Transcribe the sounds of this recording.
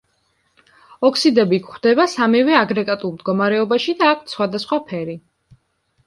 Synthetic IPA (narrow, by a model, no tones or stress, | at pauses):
ɔkʰsid̪ɛbikχd̪ɛbasamɛvɛaɡɾɛɡʼat̪ʼulˠmd̪ɡɔmaɾɛɔbaʃid̪aːkʷʰt̪sχwad̪asχwapʰɛɾi